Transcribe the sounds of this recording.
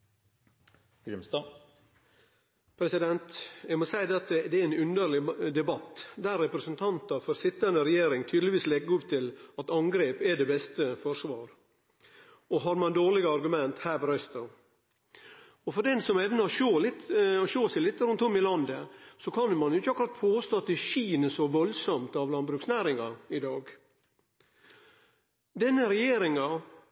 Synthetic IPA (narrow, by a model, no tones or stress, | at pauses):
ɪst̪ɑ | pʰɾɛsɪd̪ɛnt̪æɪmɔsæɪd̪ɛɑt̪ːəd̪ɛɪnʉnd̪əɾɭɪd̪ɛbɑt̪ːd̪æɾːɛpɾɛsənt̪ʰɑnt̪ɑfɔɾsɪt̪ːənəɾɛjeːɾɪŋt̪ʰyːd̪lɪʋiːslɛɡːəɾʊpt̪ʰɪlɑt̪ɑŋɡɾeːpɛɖɛːbɛst̪əfɔʂʋɑːɾ | ɔɦɑɾmɑnd̪oːlɪɡəɑɾɡʉmɛnt̪hæːɾbɔɾœst̪ɑ | ɔfɔɾɖ̪ɛnsɔmɛʋnəɔʃoːlɪt̪ɔʃoːsɛɪlɪt̪ːɾʉnt̪ʊmːɪlɑnd̪əsɔkʰɑnmɑnjʊɪçəɑkʊɾɑt̪pʰoːst̪oːɑt̪ːɪʃiːnəsɔʋɔlsɔmt̪ɑʋlɑnbɾʉːksnæːɾɪŋɑɪd̪ɑːɡ | d̪ɛnːəɾɛjeːɾɪŋɑ